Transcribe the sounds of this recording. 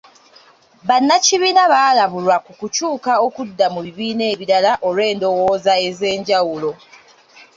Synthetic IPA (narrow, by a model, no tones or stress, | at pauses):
βanːaciβiːnaβaːlaβulwakukucuːkao̞kudːamuβiβiːne̞ːβiɾalaʔo̞le̞ːndo̞wo̞ːzae̞ze̞ːɲɟawulo̞